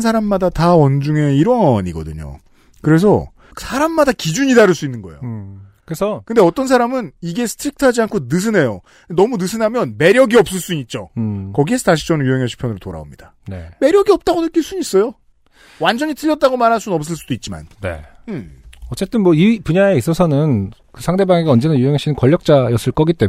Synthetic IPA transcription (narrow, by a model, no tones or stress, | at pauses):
nsʰaɾamːadatawʌnd͡ʑuŋe̞iɾʌɲiɡʌ̰dɯɲo̰ | kɯɾe̞s̬ʰʌ | sʰaɾamːadakid͡ʑuɲidaɾɯɭs͈uinːɯnɡʌḛjo | kɯɾesʰʌkɯnde̞ʌt͈ʌns̬ʰaɾamɯniɡe̞sʰɯ̥tʰɾik̚tʰad͡ʑiankʰonɯs̬ʰɯne̞jo | nʌmunɯsʰɯnamjʌnme̞ɾjʌɡiʌp̚s͈ɯɭs͈uit̚t͡ɕ͈okʌɡie̞sʰʌtaɕ̬ʰi̥t͡ɕʌnejuɦeŋɦeɕʰi̥pʰjʌnɯɾotoɾa̰o̰mɲid̥a | neme̞ɾjʌɡiʌp̚t͈aɡonɯk͈iɭs͈uɲis͈ʌjo | wand͡ʑʌɲit͈ʰɯʎːʌt̚t͈aɡomaɾɦas͈unnʌp̚s̬͈ɯɭs͈ud̥oit̚t͡ɕ͈ima̰nne̞̰ | ʌt͡ɕ͈e̞t͈ɯnmwʌipuɲaeis͈ʌsʰʌnɯn | kɯsʰaŋde̞baŋeɡeʌnd͡ʑenajuɦeŋɦaɕ͈ʰinɯnkwʌʎːʌk̚t͡ɕ͈ajʌs͈ɯɭk͈ʌɡit͈e̞